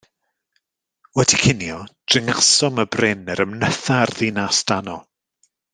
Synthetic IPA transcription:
wɛdikʰɪnjɔd̥rɪŋasɔməbrɪnɛɾəmnəθarðinasd̥anɔ

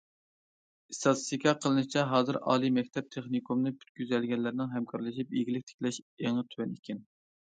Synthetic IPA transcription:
esɑt̪ʰsikʰʲɑqʰəlˠɨnɨʃt͡ʃʰɛɦɑːzɨɾɑ̰ːlˠimɛk̚ʲt̪ʰɛp̚t̪ʰeχnikʰumnɨpʰy̥t̪̚kʲyzɛlɡʲɛnlːɪɾɪnɪŋɦɛmkʰɑɾlˠɨʃ̬ipḛɡʲilɪk̚ʲt̪ʰe̥kʲlɛʃeŋɨt̪ʰwɛnikʲʰɛn

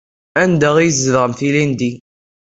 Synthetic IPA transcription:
ænd̪æʁijzðʁəmθilind̪i

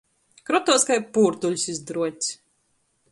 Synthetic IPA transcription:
kɾɔt̪ɔskajpuːɾt̪uʎʲsizd̪ɾuɔt̪ʲsʲ

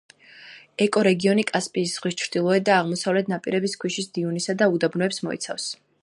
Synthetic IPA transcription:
ɛkʼɔɾɛɡiɔnikʼaspʼiːsz̥ʁwist͡ʃʰɾd̪ilˠɔɛd̪aːʁmɔsavlɛt̪ʰnapʼiɾɛbiskʰwiʃisd̪iunisad̪aud̪abnɔɛpsmɔḭt̪sʰa̰fs

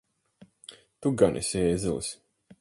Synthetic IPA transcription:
t̪uɡanʔɛ̰sʲɛːzɛlˠis

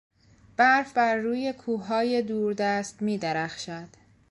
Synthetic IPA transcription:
b̥æɾfbæɾːuːje̞kʰuːɦɒːje̞d̪uːɾd̪æst̪miːd̪eɾæxʃæd̪̥

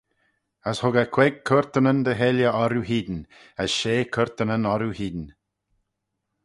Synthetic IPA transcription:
əshʊɡəkʰwɛɡ̚kʰəɾt̪ənənd̪əɦɛljəɔɾuɦiːd̪n | əsʃeːkʰəɹt̪ənənɔɾuhiːd̪n

